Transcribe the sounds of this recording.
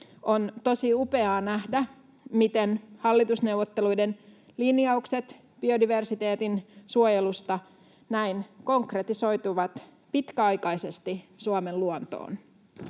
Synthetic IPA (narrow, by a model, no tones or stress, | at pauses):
ont̪o̞siupe̞ɑːnæhdæ | mit̪enhɑlːit̪usnewʋot̪ːelujden | linjɑukset̪ | b̥io̞diʋe̞rsit̪e̞ːt̪insuojelust̪ɑ | næinko̞ŋkret̪iso̞jt̪uʋɑt̪ | pit̪kæɑjkɑjsest̪isuɑmelluont̪o̰ːn